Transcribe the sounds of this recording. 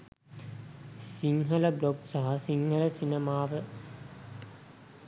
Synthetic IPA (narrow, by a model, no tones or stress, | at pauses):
siŋɦələbloɡsaɦasiŋɡələsinəmaːʋə